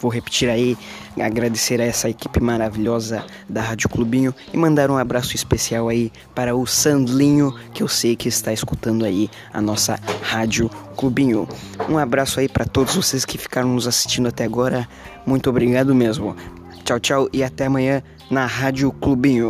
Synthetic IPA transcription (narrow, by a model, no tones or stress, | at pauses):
vowɦepi̥t͡ʃiɾaia̰ɡɾad̪eseɾɐɛsɐeki̥pɪmaɾaviʎɔzɐ | d̪ɐɦad͡ʒʊklubĩɲʊ | ɪmɐ̃nd̪aɾũabɾasʊɪspesiawai | paɾɐʊsɐ̃nd̪lĩɲʊkɪewsejkɪɪst̪aeskut̪ɐ̃nd̪ʊai | ɐ̰nɔsɐ̰had͡ʒʊklubĩɲʊũabɾasʊaipɾɐt̪od̪ʊzvoseskɪfi̥kaɾɐ̃w̃nʊzasi̥st͡ʃĩndʊat̪ɛaɡɔɾɐ | mũj̃t̪ʊobɾiɡad̪ʊmezmʊ | t͡ʃawt͡ʃawɪat̪ɛamɐ̃ɲɐ̃ | nɐɦad͡ʒʊklubĩɲʊ